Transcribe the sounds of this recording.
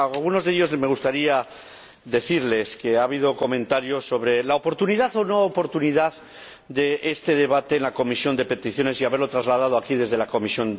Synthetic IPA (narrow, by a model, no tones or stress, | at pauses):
alɣuno̞zðeʎo̞zme̞ɣ̞ust̪aɾia | d̪e̞θiɾle̞ske̞aβ̞ið̞o̞ko̞mẽ̞nt̪aɾjoso̞β̞ɾe̞laopo̞ɾt̪uniðaθo̞no̞ːpo̞ɾt̪uniðað | d̪e̞ʔest̪e̞ð̞e̞βat̪e̞ːnlako̞misjo̞nd̪e̞pe̞t̪iθjo̞ne̞siaβeɾlo̞t̪ɾazlað̞að̞oakið̞e̞zð̞e̞lako̞misjo̞n